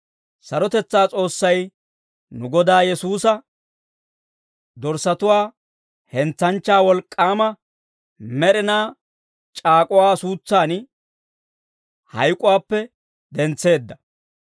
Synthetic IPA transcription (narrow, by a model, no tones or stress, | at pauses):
sɐɾɔt̪ɛt͡sːaːt͡sʼo̞ːsːɐj | nʊɡɔd̪aːjɛsuːsɐ | d̪ɔɾsɐt̪ʊwaː | hɛnt͡sːɐnt͡ʃːaːwɔlkʼːaːmɐ | mɛɾɪnaː | t͡ʃʼaːkʼʊwaːsuːt͡sːaːn | hɐ̰jkʼːʊwaːpːɛ | d̪ɛnt͡sːe̞ːd̪ːɐ